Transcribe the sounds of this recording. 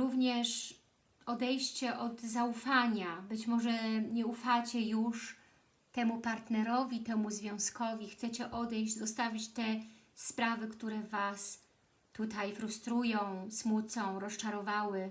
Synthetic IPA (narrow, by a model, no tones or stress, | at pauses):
ɾuvɲɛʂ | ɔd̪ɛjɕt͡ɕɛʔɔd̪zaufaɲabɘt͡ɕmɔʐɛɲɛufat͡ɕɛjuʂ | t̪ɛmupaɾt̪nɛɾɔvʲit̪ɛmuzvʲjɔ̃w̃skɔvʲixt̪sɛt͡ɕɛʔɔd̪ɛjʑd͡ʑzɔst̪avʲit͡ɕt̪ɛ | spɾavɘkt̪uɾɛvas | t̪ut̪ajfɾust̪ɾujɔ̃w̃smut̪sɔ̃w̃ɾɔst͡ʂaɾɔvawɘ